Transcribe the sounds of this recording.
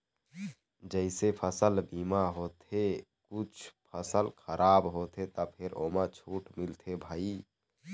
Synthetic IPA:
d͡ʒəɪsepʰəsəlbiːmaɦot̪ʰekut͡ʃʰpʰəsəlkʰəɾʔaːbɦot̪ʰet̪ɔpʰeɾomat͡ʃʰuːʈmilt̪ʰebʱaːi

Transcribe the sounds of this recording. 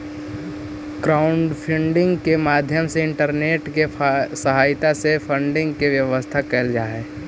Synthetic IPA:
kɾaːʊɳɖpʰɪ̃ɳɖɪ̃ŋɡkemaːd̪ʱjəmseɪ̃ɳʈəɾneːʈkesəɦaːɪt̪asefʰə̃ɳɖɪ̃ŋɡkeʋjəʋəst̪ʰakɛld͡ʒaːeː

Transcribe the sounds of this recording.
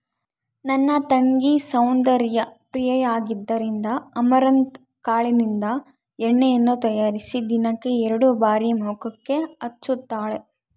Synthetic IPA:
nɐnːɐt̪ɐŋɡisɐwnd̪ɐɾjɐpɾijɐjaːɡid̪ːɐɾind̪ɐɐmɐɾɐnt̪ | kaːɭinind̪ɐ | ɛɳːejɐnːut̪ɐjaːɾisid̪inɐkːe̞ɛɾɐɽubaːɾimuːkɐkːe̞ɐt͡ʃːut̪ːaːɭe

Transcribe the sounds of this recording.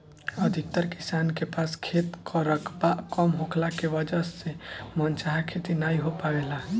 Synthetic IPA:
əd̪ʱik̚t̪əɾki̥sankepaskʰet̪kʰəɾəkʰbakɔmɦokʰlakeʋəd͡ʒəsemənt͡ʃaɦakʰet̪inaiɦopaʋela

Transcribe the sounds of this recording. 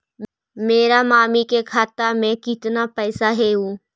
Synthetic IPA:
meːɾamaːmikekʰaːt̪ːamɛ̃kɪt̪napɛːsaɦɛɦũː

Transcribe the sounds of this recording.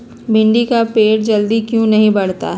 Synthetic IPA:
bʱɪ̃ɳɖikapeːʈ̚d͡ʒɐld̪ikjũnɐɦĩbɐɽ̤t̪a̰ɦ

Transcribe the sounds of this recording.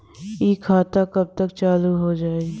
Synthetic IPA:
ikʰːaːt̪akɐb̚t̪əkt͡ʃaːluɦod͡ʒaːeɡ

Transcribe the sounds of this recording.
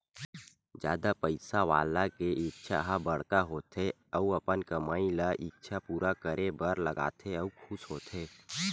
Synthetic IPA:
d͡ʒja̰ːd̪apəɪsaʋa̰ːlakeɪk̚t͡ʃʰa̰ɦabɐɽkaɦoːt̪ʰe | əuɐpənkɐmaːilaʔik̚t͡ʃʰapuːɾakəɾʔebəɾləɡa̰ːt̪ʰeɐukʰʊsɦoːt̪ʰeː

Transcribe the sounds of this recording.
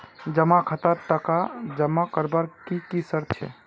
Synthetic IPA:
d͡ʒəmakʰət̪əɾt̪əkad͡ʒəmːakəɾbaɾkikisəɾt͡ʃʰɛ̰

